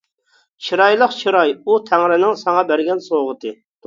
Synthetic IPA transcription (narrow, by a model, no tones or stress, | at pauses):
t͡ʃʰiɾɑjlˠəqt͡ʃʰiɾɑjut̪ʰæŋɾɪnɪŋsɑŋɑbæɾɡʲɛnsoʁət̪ɨ